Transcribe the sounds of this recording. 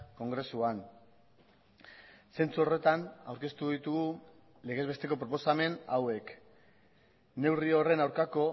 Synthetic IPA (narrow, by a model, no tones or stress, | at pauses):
ko̞ŋɡɾe̞suan | se̞nt͡suo̞re̞t̪ana̰wɾke̞st̪uðit̪uɣu | le̞ɣ̞e̞zβe̞st̪e̞ko̞p̬ɾo̞p̬o̞same̞na̰we̞k | ne̞wrio̞re̞nawɾkako̞